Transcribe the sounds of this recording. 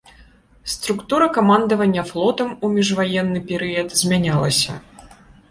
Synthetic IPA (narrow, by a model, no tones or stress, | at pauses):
st̪ɾukt̪uɾɐkamand̪ɐvɐnʲːɐflˠɔt̪ɐmumʲiʐvajɛnːɨpʲɛɾɨjɐd̪zʲmʲanʲalˠɐsʲɐ̰